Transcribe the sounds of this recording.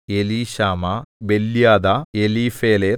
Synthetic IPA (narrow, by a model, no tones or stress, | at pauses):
eliːɕaːmabelːjaːd̪aeliːfeːle